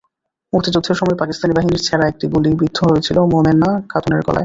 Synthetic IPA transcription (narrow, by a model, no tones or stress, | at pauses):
muɾt̪id͡ʑud̪ʱːeɾʃɔmɔepakist̪anibaɦiniɾt͡ɕʰɛɾaek̚ʈiɡulibɾid̪ʱːoɦojet͡ɕʰilomomenːakʰat̪oneɾkɔ̰lʔa̰e